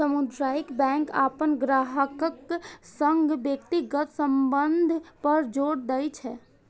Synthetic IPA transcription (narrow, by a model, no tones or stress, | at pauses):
səmud̪ɾaːjikbɛ̃ːŋka̰ːpənɡɾaːɦəkəksəŋɡbjəkt̪iɡət̪səmbənd̪ʱpəɾd͡ʒoːɽd̪əjt͡ʃʰɛː